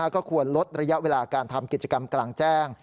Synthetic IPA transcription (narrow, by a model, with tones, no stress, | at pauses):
aː˥˩kɔː˥˩kʰu˧ənlo˦˥t̪̚ɾa˧ja˦˥ʔweː˧laː˧kaː˧nt̪ʰa˧mki˨˩t̪̚t͡ɕa˧ka˧mklaː˧ŋt͡ɕɛː˥˩ŋ